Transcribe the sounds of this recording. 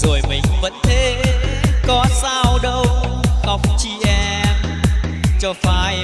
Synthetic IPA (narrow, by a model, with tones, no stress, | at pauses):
zo˨˩jmï˨˩ŋ̟və̰˧˥nt̪ʰe˨˦ | kɔ˨˦saː˧wɗə˧wɣa˨˩wk͡p̚t͡ɕi˧˩ʔɛ˧m | t͡ɕɔ˧faː˧j